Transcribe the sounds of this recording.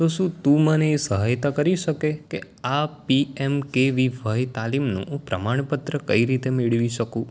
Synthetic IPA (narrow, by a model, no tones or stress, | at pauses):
t̪oʃũt̪ũməneːsəɦajt̪akəɾiʃəkeke | apiemkeʋiʋʱajt̪alimnṵ̃ːpɾə̰maɳ̃pət̪ɾəkəiɾit̪emiɭʋiʃəkũ